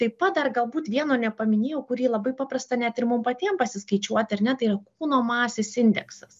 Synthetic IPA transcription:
t̪ɐɪpɐt̪̚d̪ɐrɡɐlˠbuːt̪ʋʲiɛnoːnʲɛpɐmʲɪnʲeːjɛʊkʊɾʲiːlˠɐbɐɪpɑːprɐst̪ɐnʲæt̪ɪɾmʊmpɐt̪ʲiɛmpɐsʲɪskɐɪt͡ʃʲuɔt̪ʲɐɾnʲɛt̪ɐɪirɐkuːnoːmɑːsʲeːsɪnʲd̪ʲɛksɐs

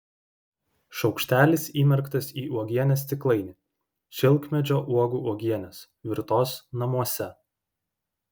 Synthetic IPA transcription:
ʃɒʊkʃʲt̪ʲæːlʲɪsiːmʲɛɾkt̪ɐsiːʔuɔɡʲiɛnʲɛst̪ʲɪklˠɐɪnʲɪ | ʃʲɪlˠˑkmʲɛd͡ʒʲoːʔuɔɡuːuɔɡʲiɛnʲɛs | ʋʲɪɾt̪oːsnɐmuɔsʲɛ

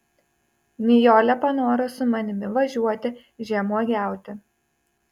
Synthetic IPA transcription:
mʲijoːlʲɛpɐnoːɾosʊmɐnʲɪmʲɪʋɐʒʲuɔt̪ʲɪ | ʒʲɛmuɔɡʲæˑʊt̪ʲɪ

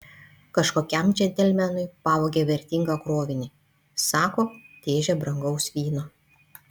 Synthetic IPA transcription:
kɐʃkoːkʲɛmd͡ʒʲɛnʲt̪ʲɛlʲmʲɛnʊɪpɑːʋoːɡʲeːʋʲɛɾʲt̪ʲɪŋɡɐkɾoːʋʲɪnʲɪ | sɑːkoːt̪ʲeːʒʲɛbɾɐŋɡɐʊsʋʲiːno

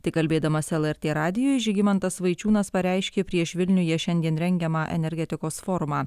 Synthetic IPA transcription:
t̪ɐɪkɐlʲbʲeːd̪ɐmɐsɛlˠɛɾʲt̪ʲeːɾɑːd̪ʲɪjoːjɪʒʲɪɡʲɪmɐnt̪ɐsʋɐɪt͡ʃʲuːnɐspɐɾʲɛˑɪʃʲkʲeːpʲɾʲiɛʃʋʲɪlʲnʲʊjɛʃʲɛnʲd̪ʲiɛnɾʲɛŋʲɡʲɛmɑːʔɛ̰nʲɛɾʲɡʲɛt̪ʲɪkoːsfoːɾʊmɑː

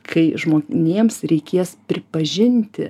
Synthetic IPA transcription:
kʰɐɪʒmoːkʲnʲeɛmsɾʲɛɪkʲiːspʲɾʲɪpɐʒʲɪnʲt̪ʲɪ

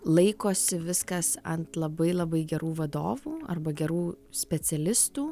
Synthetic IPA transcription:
lˠɐɪkoːsʲɪʋʲɪskɐsɐ̰nt̪lˠɐbɐɪlˠɐbɐɪɡʲɛɾuːʋɐd̪o̰ːʋuːɐ̰rbɐɡʲɛɾuː | sʲpʲɛt͡s̪ʲɛlʲɪst̪uː

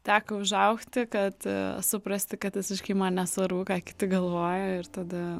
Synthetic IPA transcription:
t̪ʲæːkoʊʒɐʊxt̪ʲɪkɐt̪sʊpɾɐsʲt̪ʲɪkɐt̪ʋʲɪsʲɪʃʲkʲiɪmɐnnʲɛsʋɐɾbʊkɑːkʲɪ̥t̪ʲɪɡɐlˠʋoːjoːɪɾt̪ɐd̪ɐ

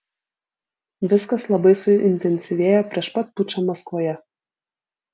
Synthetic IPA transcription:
ʋʲɪskɐslˠɐbɐɪsʊɪnʲt̪ʲɛnʲsʲɪʋʲeːjɛpʲɾʲiɛʃpɐt̪̚pʊt͡ʃɐmɐskʋoːjɛ

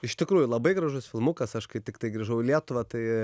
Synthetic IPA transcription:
ɪʃt̪ʲɪkɾuːjʊlˠɐbɐɪɡɾɐʒʊsfʲɪlˠmʊkɐsɐʃkɐɪt̪ʲɪkt̪ɐɪɡɾʲiːʒɐʊɪlʲiɛt̪ʊʋɐt̪ɐɪ

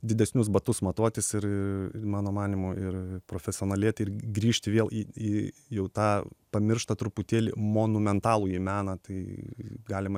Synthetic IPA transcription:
d̪ʲɪd̪ʲɛsʲnʲʊsbɐt̪ʊsmɐt̪oɔt̪ʲɪsɪɾɪrmɑːnoːmɑːnʲimʊɪrpɾoːfʲɛsʲɪoːnɐlʲeːt̪ɪrɡɾʲiːʃʲt̪ʲɪʋʲeːlˠiijɛʊt̪ɑːpɐmʲɪɾrʃt̪ɐt̪ɾʊpʊt̪ʲeːlʲɪ̰moːnʊmʲɛnt̪ɑːlˠuːjimʲæːnɐt̪ɐɪɡɑːlʲɪmɐ

